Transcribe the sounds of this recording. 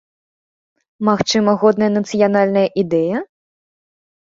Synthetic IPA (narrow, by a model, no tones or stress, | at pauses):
maxt͡ʂɨmɐɣɔd̪̚nɐjɐnɐt̪sɨjan̪alʲnɐjɐʔid̪ɛjɐ